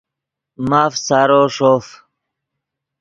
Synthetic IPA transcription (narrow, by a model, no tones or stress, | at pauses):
maːfsaːɾoːʂoːf